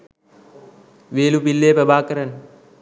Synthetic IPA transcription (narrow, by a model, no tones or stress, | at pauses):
ʋeːlupilːeːpɾəbaːkəɾənːə